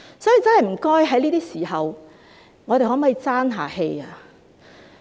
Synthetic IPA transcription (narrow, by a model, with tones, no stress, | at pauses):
sɔ˨˥jiː˨˩t͡sɐ˥nhɐ˨jm̩˨˩kɔː˥jɦɐ˨˥jliː˥t̪iː˥siː˨˩ɦɐ˨w | ŋɔː˨˧ɾe˨jhɔ˨˥mː˨˥i˨˧t͡saː˥nɦa̰ː˨˩he˧ja˧